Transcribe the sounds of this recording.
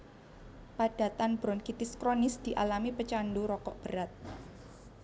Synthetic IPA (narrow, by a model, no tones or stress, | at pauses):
paɖ̥a̤t̪anb̥ɾɔnkit̪ɪskɾonɪsd̪̥i̤ʔalamipət͡ʃanɖoɾɔkɔʔb̥əɾat̪̚